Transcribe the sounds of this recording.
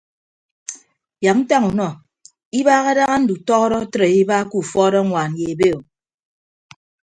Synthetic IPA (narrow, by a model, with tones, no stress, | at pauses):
ja˨m̚n̩˦ta˦ŋu˨nɔ˦˨ | i˦βaː˦ɣa˦da˦ɣa˦n̩˦du˨tɔ˦ɣɔ˦ɾɔ˦tɾe˨i˦baː˦ku˦˨fɔː˦ɾɔ˦ŋʷaː˨n˨je˨e˨be˦o˨